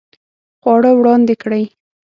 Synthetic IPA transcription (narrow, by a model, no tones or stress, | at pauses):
xwɑɽəwɽɑnd̪ekɽəj